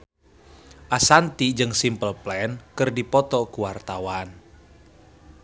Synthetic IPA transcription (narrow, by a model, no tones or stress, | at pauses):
ʔasant̪id͡ʒɨŋsimpəlplɛnkɨrdipɔt̪ɔkuwart̪awan